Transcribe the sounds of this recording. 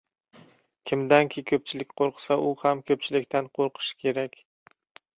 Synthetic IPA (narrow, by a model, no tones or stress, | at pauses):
kʲʰɪmd̪ankʲʰɪkʰɵp̚t͡ʃʰɪlɪkʲqʰoɾqʰsaʔʊhamkʰɵp̚t͡ʃʰɪlɪkʲt̪ʰanqʰoɾqʰɨ̥ʃɪ̥kʲʰe̞ɾakʲ